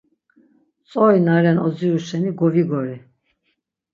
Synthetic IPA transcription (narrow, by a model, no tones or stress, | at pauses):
t͡sʼɔinaɾɛnɔziuʃɛniɡɔviɡɔɾi